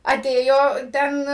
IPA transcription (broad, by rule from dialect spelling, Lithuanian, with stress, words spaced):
ɐˈtʲeːjoː ˈtʲɛn